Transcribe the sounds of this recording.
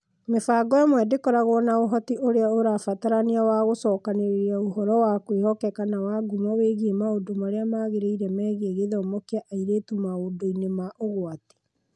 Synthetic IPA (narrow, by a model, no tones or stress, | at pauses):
mefaːɡɔamwɛdekɔɾaɣɔːnaoɦɔtiʔoɾeaoɾafataɾaneawaɣosɔːkaneɾeɾaoɦɔɾɔwakwehɔkɛkanawaɡumaweɣemaodomaɾeamaɣeɾeiɾɛmɛːɣeɣeðɔɔːmɔkeaʔaiɾeːtumaodoinemaʔoɣwate̥